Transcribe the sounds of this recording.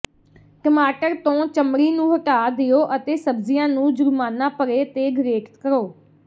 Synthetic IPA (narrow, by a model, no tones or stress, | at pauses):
kəmaːʈəɾt̪õːt͡ʃəmɾiːnũːɦəʈaːd̪ɪjoːʔət̪eːsəbzɪjãːnũːd͡ʒʊɾmaːnãːpəɾeːt̪eːɡɾeːʈt̪kəɾoː